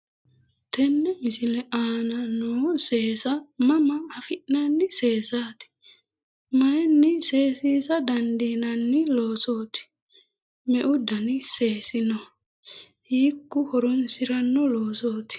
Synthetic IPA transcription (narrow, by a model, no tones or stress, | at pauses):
t̪ɛnːɛmɪsɪlɛʔaːnɐnoːse̞ːsɐmɐmɐːfɪʔnɐnːɪse̞ːsaːt̪ɪ̥ | mɐjɛnːɪse̞ːsiːsɐd̪ɐnd̪iːnɐnːɪloːsoːt̪ɪ̥ | mɛʔʊd̪ɐnɪse̞ːsɪnɔ | hiːkːʊhɔɾɔnsɪɾɐnːɔloːsoːt̪ɪ̥